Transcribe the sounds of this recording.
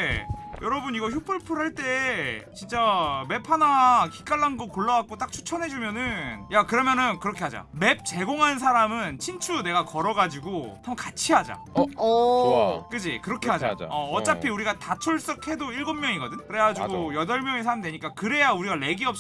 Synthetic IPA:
jʔʌɾʌbɯniɡʌçjupʰɯɭpʰɯɾɦaɭt͈e̞t͡ɕint͡ɕ͈ame̞pʰanaki̥k͈aɭːanɡokoɭːawak̚k͈ot͈ak̚t͡ɕʰu̥t͡ɕʰʌnɦe̞d͡ʑumjʌnɯnjakɯɾʌmjʌnɯnkɯɾʌkʰe̞ɦad͡ʑa̰me̞p̚t͡ɕe̞ɡoŋɦanns̬ʰaɾamɯnt͡ɕʰint͡ɕʰune̞ɡakʌɾʌɡad͡ʑiɡohʰamkat͡ɕʰiɦad͡ʑa̰ | k͈ɯd͡ʑikɯɾʌkʰe̞ɦad͡ʑa̰ʌʌt͡ɕ͈apʰiuɾiɡatat͡ɕʰoɭs͈ʌk̚ʰhe̞doiɭɡʌmmjʌŋiɡʌdɯɲkɯɾe̞ɡad͡ʑuɡojʌdʌɭmjʌŋisʰaɾamdweɲik͈akɯɾe̞jauɾiɡale̞ɡiʌp̚

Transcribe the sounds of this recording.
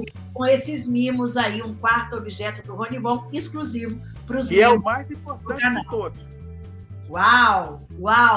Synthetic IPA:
kõesɪzmĩmʊzaiũkwaɾt̪ʊobiʒɛt̪ʊd̪ʊɦõnivõw̃eskluzivʊ | pɾʊzmkɛʊmajzĩpoɾt̪ɐɐ̃t̪od̪ʊ | waw | waw

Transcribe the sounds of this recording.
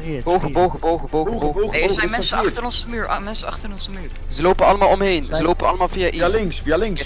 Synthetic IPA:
bowvəbowɣəbowɣəbowəosɛjmɛnsəɑtəɾɔnzəmyːɹʔmɛnsəɑχtəɾɪnɔnzəmyːɹ | zəlowpənɑləmaːlˠɔmɦejnzəlowpənɑləmaːlˠvijaʔilɪŋsfialɪŋ

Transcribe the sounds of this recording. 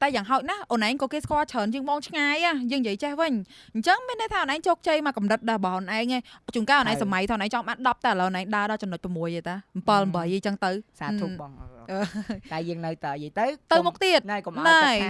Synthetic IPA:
t̪ajaːŋɦaɔc̪̚nahʔoənʔaɛŋkɑkeːskŏəlt͡ɕʰəːnt͡ɕiəŋɓɑːŋt͡ɕʰŋaːjʔahjəːŋjiəjt͡ɕɛhʋɨɲɲ̩t͡ɕəŋmiənːɨjt̪ʰaːʔoːnʔaŋt͡ɕoːk̚t͡ɕeːjmaːkumrɨt̪̚ɗarəɓɑhʔonʔaɛŋet͡ɕunkaːʔoːnʔaŋsamajt̪ʰaːʔːnʔaŋt͡ɕɑŋɓaːn̚ɗɑp̚t̪aʔələwʔnʔaŋɗaəɗɑt͡ɕɔnːəc̚pəmuəjʔet̪ampəːlmɓəjəjt͡ɕəŋt̪ɨwsaːt̪uɓɑːŋʔəːt̪aɛjəːəŋnɨwt̪ajiət̪ɨwt̪ɨwmʊk̚t̪iət̪nakom̚na

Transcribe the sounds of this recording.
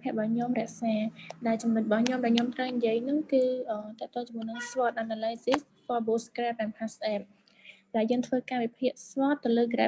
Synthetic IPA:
pʰɛ̆əʔɓɑːɲomrɛ̆əʔsaːɗaɛlt͡ɕumnɨt̪̚ɓɑhɲomɗaɛlɲomt̪rəwɲjiəjnɨŋkɨːʔəːt̪ɛ̆əʔt̪oːŋt͡ɕɔmːuənɨŋsʋɔət̪̚ʔanaːlajzis̚ | fɔːlboːskrɛːp̚ʔɛnpʰasʔɛp̚ | ɗaɛljəːŋt̪ʰʋəːkaːʋipʰiəʔsʋɑət̪ːɨwləːɡrɛ

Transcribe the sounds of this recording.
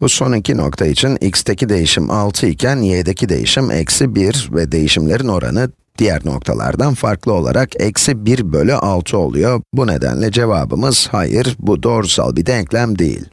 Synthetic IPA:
buso̞nicʰino̞̰kt̪ʰait͡ʃʰinicst̪ʰecʰid̪e̞jiʃimʔalˠt̪ʰɯicʰænjed̪ecʰid̪e̞̰jḭʃimʔɛ̰csibiɾvɛd̪e̞jiʃimlʲe̞ɾino̞ɾa̰nɯ | d̪̥ijæɾno̞̰kt̪ʰalˠa̰ɾd̪anfaɾklˠɯo̞lˠa̰ɾʔakɛcsibiɾbø̞lʲyʔalˠt̪ʰɯo̞̰lˠṵjo̞bune̞d̪æ̰nlʲɛd͡ʒe̞va̰ːbɯ̰mɯz̥hajɯɾbud̪o̞ɾsa̰lˠbid̪ɛɲclʲæmd̪ejḭlʲ

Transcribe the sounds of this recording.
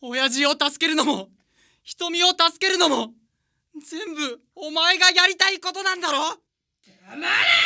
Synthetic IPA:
o̞jaʑio̞t̪asɨ̥ke̞ɾɯ̟nomo̞ | çi̥t̪o̞mʲio̞t̪asɨ̥ke̞ɾɯ̟nomo̞ | zẽ̞mbɯ̟ | omaeɡajaɾʲit̪aiko̞t̪o̞nãnd̪aɾo̞ː

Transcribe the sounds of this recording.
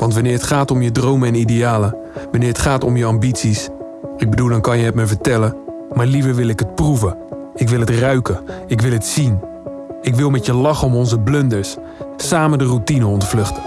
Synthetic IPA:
ʋɑntʋɑnɪːɹɦətχaːtɔmjədrowməɛnidejaːlə | ʋɑnɪːɹətχaːtɔmjəɑmbitsis | ɪɡ̚bədulˠdɑnkɑnjəɦɛtməɹvəɹtɛlə | maːɹlivəɹʋɪlˠɪkɦət̚pruvə | ɪkʋɪlˠɦətrœɥkəɪkʋɪlˠɦətsin | ɪkʋɪlˠmɛtjəlɑχəɔmɔnzəblɵndəɹsː | aːmədərutinəɔndəvlɵχtə̥

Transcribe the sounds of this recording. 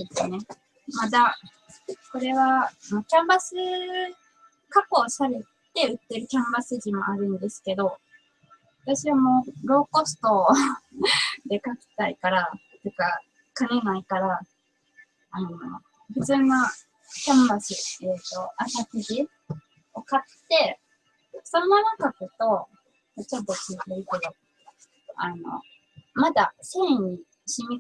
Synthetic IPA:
d̪esɨne̞ | mad̪a | ko̞ɾe̞βanokʲãmbasɨ | kako̞ːsaɾe̞t̪e̞ɯ̟t̪ːeɾɯ̟kʲãmbasɨʑimo̞̰aɾɯ̟̃nd̪e̞sɨ̥ke̞d̪o̞ | βat̪aɕiβamo̞ːɾo̞ːko̞sɨ̥t̪o̞ | d̪e̞kakʲi̥t̪aikaɾa | t̪eka | kanenaikaɾa | ano̰ | ɸɯ̟t͡sɨːna | sãmbaɕiet̪ːo̞asakiʑi | okat̪ːe̞ | sõ̞nːanakakot̪o̞ | at͡ɕot̪ːokit̪eiked̪o | a̰no̞̰ | mad̪asẽːɲ̟i | ɕimʲi

